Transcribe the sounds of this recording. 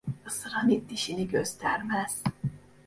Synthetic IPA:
ɯsɯɾɑnit̪ːiʃiniɟøst̪ʰæɾmæz̥

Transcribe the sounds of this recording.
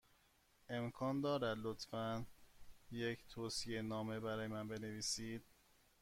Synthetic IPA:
ʔe̞mkʰɒːnd̪ɒːɾæd̪lot̪fæn | jecʰt̪ʰoːsije̞nɒːme̞bæɾɒːjemænbe̞ne̞viːsiːd̪̥̚

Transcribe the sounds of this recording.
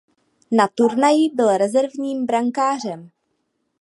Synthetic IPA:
nat̪uɾnajɪbɪlɾɛzɛɾvɲiːmbɾaŋkaːr̝ɛm

